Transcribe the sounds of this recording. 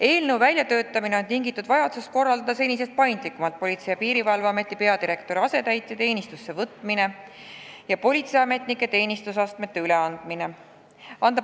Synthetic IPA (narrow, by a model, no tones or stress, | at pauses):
e̞ːlnəwvælʲjɑt̪ø̞ːt̪ːˑɑmine̞o̞nt̪iŋɡit̪ːˑud̪̥vɑjɑd̪sust̪̚ko̞rːɑld̪ɑd̪̥ɑse̞nʲisest̪̚pɑjnd̪likːˑumɑlt̪̚po̞lʲit̪se̞jɑpiːɾivɑlvɑɑme̞t̪ːˑipe̞ɑd̪iɾe̞kt̪o̞ɾɑse̞t̪æjt̪ˑːet̪e̞ːnʲist̪usːe̞vɤt̪ːˑmine̞ | jɑpo̞lʲit̪sejɑme̞t̪ˑnikːˑe̞t̪e̞ːnʲist̪usɑst̪met̪ːe̞yle̞ɑnd̪̥mine̞ | ɑnd̪̥ɑ